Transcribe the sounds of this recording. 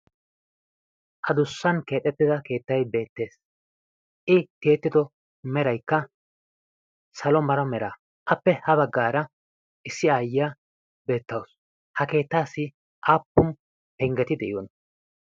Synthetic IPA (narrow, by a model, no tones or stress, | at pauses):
ʔɐd̪ʊsːɐnke̞ːt̪ʼːɛt̪ːɪd̪ɐke̞ːt̪ːɐjbe̞ːt̪ːe̞ːs | ʔɪt̪eːt̪ːɪd̪ɔ | mɛɾɐjkːɐ | sɐlɔmɐɾɐmɛɾaː | ʔɐpːɛhɐβɐɡːaːɾɐ | ʔɪsːɪaːjɪaː | be̞ːt̪ːɐws | hɐke̞ːt̪ːaːsːɪ | ʔaːpːʊn | pɛŋɡɛt̪ɪd̪ɛʔɪjwɔn